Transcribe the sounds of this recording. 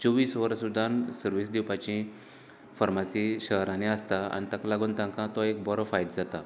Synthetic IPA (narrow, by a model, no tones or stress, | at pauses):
t͡soʋiːsʋəɾsud̪ʱansəɾʋiːsd̪iwpat͡ɕĩ | fəɾmasiɕəɦɾaneəst̪aa̰nit̪əklaɡuːnt̪ãŋkãt̪ɔekbɔɾɔfajd̪d͡zat̪a